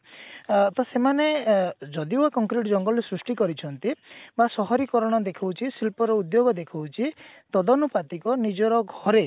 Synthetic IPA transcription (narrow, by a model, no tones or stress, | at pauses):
t̪ɔsemaned͡ʒɔd̪iakɔŋkɾiʈd͡ʒɔŋɡɔlɾesɾusʈikɔɾit͡ʃʰɔnt̪ibasɔɦɔɾikɔɾɔɽ̃ɔd̪ekʰawt͡ʃʰisilpɔɾɔud̪joɡɔd̪ekʰawt͡ʃʰit̪ɔd̪ɔnupat̪ikɔnid͡ʒɔɾɔɡʱɔɾe